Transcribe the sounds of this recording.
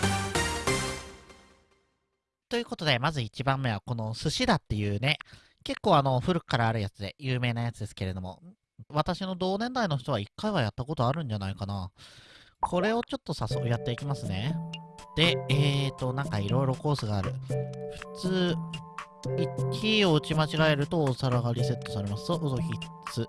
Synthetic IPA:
t̪o̞jɯ̟ko̞t̪o̞d̪e̞mazɨit͡ɕibãmːe̞βako̞no̞sɨɕid̪at̪ːe̞jɯ̟ːne̞ | ke̞kːo̞ːano̞ɸɯ̟ɾɯ̟kaɾaːɾɯ̟jat͡sɨd̪e̞jɯ̟ːme̞ːnajat͡sɨd̪e̞sɨ̥ke̞ɾe̞d̪o̞mo̞̰ | β̞at̪aɕino̞d̪o̞ːnẽ̞nd̪ainoçi̥t̪o̞βaikːaiβajat̪ːako̞t̪o̞aɾɯ̟̃ɲ̟d͡ʑanaikana | kʰo̞ɾe̞o̞t͡ɕo̞t̪ːo̞sasoɯjat̪ːe̞ikʲimasɨne̞d̪̥e̞et̪o̞nãŋkaiɾo̞iɾo̞ko̞ːsɨɡaːɾɯ̟ɸɯ̟̥t͡sɨː | ikʲʰio̞ɯ̟t͡ɕimat͡ɕiɡae̞ɾɯ̟t̪o̞ːsaɾaɡaɾʲise̞t̪ːo̞saɾʲimasɨ̥t̪o̞ʔɯ̟zoçit͡sɨ

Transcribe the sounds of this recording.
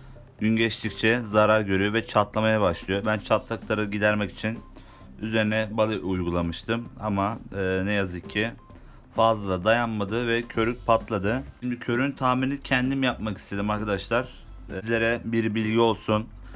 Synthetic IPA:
ɟynɟɛt͡ʃlʲic̚t͡ʃʰɛzaɾaɾɟø̞ɾyjo̞vɛt͡ʃʰat̪lˠamajabaʃlˠɯjobænt͡ʃʰat̪lˠaklˠaɾɯɟid̪æɾmɛci̥t͡ʃʰin | yze̞ɾinɛbalˠɯʔujɡulˠamɯʃt̪ʰɯma̰maɯːnɛjazɯcʰːi | fazlˠad̪ˠad̪ajanmad̪ɯvɛcʰø̞ɾyc̚pʰat̪lˠad̪ɯʃmd̪icʰø̞ɾynt̪ʰaːminicʰɛnd̪imijap̚maki̥st̪ʰe̞d̪imaɾkad̪aʃlˠaɾ̥ | zlʲe̞ɾɛbiɾbilʲɟio̞lˠsun

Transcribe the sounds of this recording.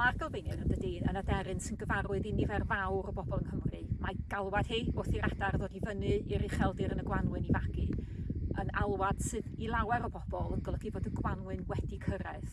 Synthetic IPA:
arɡəlˠvejnɨrədədiːnə̰nadɛɾɨnsɪnɡəvaɾwɨðɪnɪvɛrvawɾɔbɔbɔlˠənhəmrɨmaɡalˠwad̥hiːʊθiɾʔad̥arðoːdivənɨiɾiχɛlˠdɨɾənəɡwanwɨnivaɡɨ | ənalˠwad̥sɨðilˠawɛɾɔbɔb̥ɔlˠənɡɔlˠəɡiboːdəɡwanwɨnwɛdikʰəɾɛθ

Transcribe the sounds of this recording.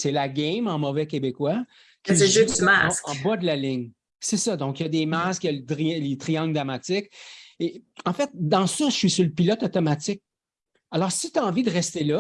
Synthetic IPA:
sɛlaɡʲɛ̃mɑ̃mɔvɛk̬ʲebekwa | kieʒømaskɑ̃bʌd̪lalɪŋ | sesʌd̪ɔ̃kjʌd̪emaskjalet̪ʁilet̪ʁijɑ̃d̪ʁamat͡sɪkeɑ̃fɛt̪̚d̪ɑ̃sʌʃɥisuləpilɔt̪ɔt̪ɔmat͡sɪk̚ | alɔːʁsit̪aɑ̃vid̪əʁɛst̪elʌ

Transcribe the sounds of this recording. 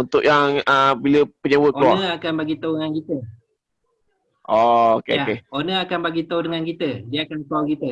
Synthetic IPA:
unt̪ʊʔjaŋəbiləpəɲəwəkoluanəakanbaɡit̪awdəŋankit̪ə | ʔookḛoakeonəakanbaɡit̪audəŋankit̪ədiəakankualkit̪ə

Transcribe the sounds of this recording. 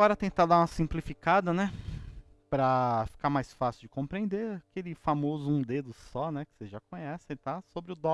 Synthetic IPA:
ɔɾɐt̪ẽt̪ad̪aũmɐsĩmplifikad̪ɐnɛ | pɾɐfi̥kamajsfasɪʊd͡ʒɪkõpɾiẽnd̪eɾakelɪfamozʊũd̪ed̪ʊsɔnɛkɪ̥seʒakõɲɛseɪt̪asobɾɪʊd̪ɔ

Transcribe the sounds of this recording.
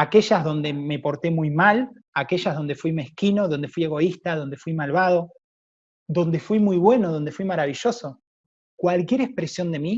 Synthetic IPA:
ake̞ʒazðo̞nd̪e̞me̞po̞ɾt̪e̞mujmal | ake̞ʒaðo̞nd̪e̞fwime̞hkino̞ðo̞nd̪e̞fwie̞ɣ̞o̞ist̪aðo̞nd̪e̞fwimalβað̞o̞ | d̪o̞nd̪e̞fwimujβwe̞noðo̞nd̪e̞fwimaɾaβ̞iʒo̞so̞ | kwalkje̞ɾespɾe̞sjo̞nd̪e̞mi

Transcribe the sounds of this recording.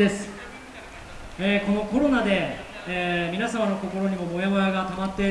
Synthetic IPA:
e̞sɨ̥ | eːko̞no̞ko̞ɾo̞nad̪e̞ː | mʲinasamano̞ko̞ko̞ɾo̞ɲ̟imo̞mo̞jamojaɡat̪amat̪ːe̞

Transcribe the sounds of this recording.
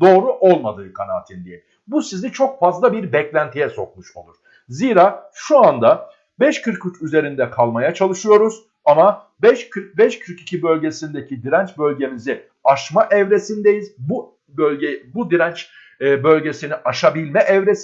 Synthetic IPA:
d̪o̞ːɾuʔo̞lˠmad̪ɯːkʰana̰ːt̪ʰind̪ijɛ | busizit͡ʃʰo̞k̚fazlˠabiɾbɛclʲænt̪ʰijɛso̞̰k̚muʃo̞̰lˠuɾ̥ | ziːɾaːʃuand̪a | bɛʃkʰɯɾkyt͡ʃyze̞ɾind̪ɛkʰalˠmajat͡ʃʰalˠɯʃɯjo̞ɾuz̥ | ama | bɛʃkʰɯɾbɛʃkʰɯɾki̥cʰibø̞lʲɟe̞sind̪ecʰid̪iɾænt͡ʃbø̞lʲɟe̞mizi | aʃmaʔɛvɾe̞sind̪ejizbu | bølʲɟebud̪iɾɛnt͡ʃː | bølʲɟe̞siniʔaʃabilʲmɛʔɛvɾe̞si

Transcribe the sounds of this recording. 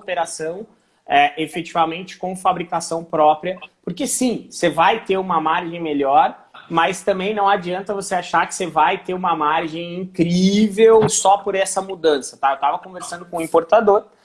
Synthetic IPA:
opeɾasɐ̃w̃ | ɛʔefet͡ʃivɐmẽnt͡ʃɪ̥kõfabɾikasɐ̃w̃pɾɔpɾiɐpoɾkesĩsevajt̪eɾũmɐmaɾʒẽj̃meʎɔɾ | mɐst̪ɐ̃bẽj̃nɐ̃w̃ad͡ʒiɐ̃nt̪ɐvoseaʃaɾkɪ̥sevajt̪eɾũmɐmaɾʒẽj̃ĩŋkɾiivewsɔpoɾɛsɐmud̪ɐ̃sɐ̥t̪aewt̪avɐkõveɾsɐ̃nd̪ʊkõĩpoɾt̪ad̪oɾ

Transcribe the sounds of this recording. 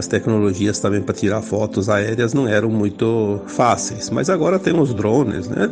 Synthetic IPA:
ɐst̪ɛknoloʒiɐst̪ɐ̃mẽj̃pɾɐt̪iɾaɾfɔt̪ʊzaɛɾjɐznɐ̃w̃ɛɾɐ̃w̃mũj̃t̪ʊfasejsmɐ̰zaɡɔɾɐt̪ẽj̃ʊzd̪ɾõnɪ̰znɛ̰

